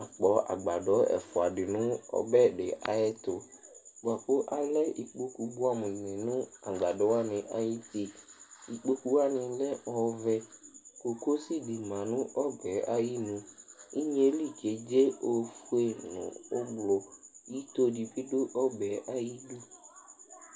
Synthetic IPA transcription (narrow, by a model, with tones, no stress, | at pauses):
a˨k͡pɔ˨a̰˨ɡ͡ba˨ɖɔ˦ɛ̰˨fɔ˨a˨ɖɪ˨nʊ̃˦ɔ̰˨bɛ˦ɖe˨ʔa̰˨ɛ˦t̪o˨ba˨k͡po˦ʔa˨lɛ˦i˨k͡po˦ku˨bo˦a˦mʊ̃˨nɪ̃˨nʊ̃˦a˨ɡ͡ba˨ɖɔ˦wa˦nɪ̃˨ʔa˦ji˦t̪i˦i˨k͡po˦ku˦wa˦nɪ̃˨˦lɛ˦ɔ˦vɛ˦ko˨ko˦si˦di˨mã˨nʊ̃˦ɔ˦bɛ˨a˦ji˦nʊ̃˨i˦ɲ˦e˦li˦˨ke˨d͡ʒe˦o˨fu˦e˦nʊ̰̃˨ʊ˦blɔ˨ji˦t̪o˦di˨bi˦ɖo˦ʔɔ˦bɛ˨ʔa˦ji˦du˦